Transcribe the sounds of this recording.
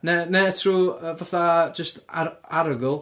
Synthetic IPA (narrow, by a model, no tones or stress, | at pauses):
nɛnɛtʰruːəvaθad͡ʒəstaɾaɾəɡɔlˠ